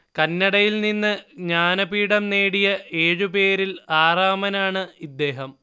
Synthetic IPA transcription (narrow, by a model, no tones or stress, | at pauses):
kɐnːɐɽɐjilninːɨɲaːnɐpiːɽɐmneːɽijɐeːɻupe̞ːɾilaːraːmɐnaːɳɨid̪ːe̞ːɦɐm